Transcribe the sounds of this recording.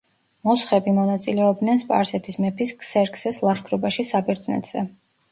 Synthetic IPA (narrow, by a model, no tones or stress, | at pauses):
mɔsχɛbimɔnat̪sʼilɛɔb̚d̪nɛnspʼa̰ɾsɛt̪ʰismɛpʰiskʼsɛɾkʰsɛslˠaʃkʰɾɔbaʃisabiɾd̪znɛ̰t̪ʰz̥ɛ̰